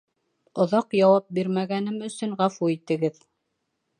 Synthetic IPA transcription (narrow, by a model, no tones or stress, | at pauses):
ŏðɑqjɑwɑp̚biɾmæɡænɘmɵ̆sɵŋʁɑfuit̪ɘ̆ɡɘð